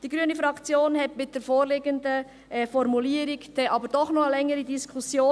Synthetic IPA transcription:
d̥iːɡɾyənəfɾɑkt͡sjoːnhɛtmɪt̚d̥eːɾfoːɾleːɡəndə | ʔɛfɔɾmuliːəɾɪkd̥ɛʔɑːbəɾd̥ɔχnɔχəlɛŋəɾidiskʰusjoː

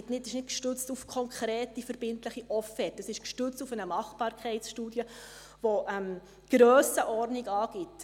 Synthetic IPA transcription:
tnɪtɪʃnɪtkʃtʏt͡stufkʰɔŋkʰɾɛːtifəɾb̥ɪntləχiʔɔfɛːtəsɪʃkʃtʏt͡stufənəmɑχb̥ɑːɾkʰχɛɪsʃtuːdjə | voʔɛm | ɡ̥ɾœːsəʔɔrniɡɑːɡ̥ɪt

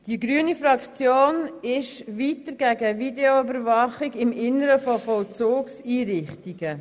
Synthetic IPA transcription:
d̥iɡɾyənifɾɑkt͡sjoːnɪʃviːtəɾɡ̥æɡəvideoʏbəɾvɑχɪɡɪmɪnəɾəfofɔlt͡suːksiːɾɪχtiɡə

